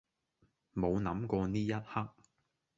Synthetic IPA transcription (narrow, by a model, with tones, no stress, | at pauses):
mo˨˧wnɐ˨˥mkɔː˧niː˥jɐ˥t̚hɐ˥k̚